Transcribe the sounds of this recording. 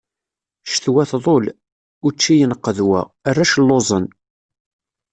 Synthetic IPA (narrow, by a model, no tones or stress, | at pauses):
ʃθwæθðˤol | ʊɾt͡ʃːijənəqːəðwæ̰ərːæʃlːozˤən